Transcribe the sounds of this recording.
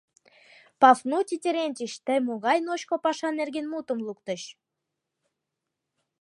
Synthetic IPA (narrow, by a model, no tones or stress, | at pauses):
pɑfnutʲitʲeɾenʲt̪ʲiɕt̪əjmoɣɑjnoɕkopɑʃɑnerɡenmut̪ə̆mlˠukt̪ə̆ɕ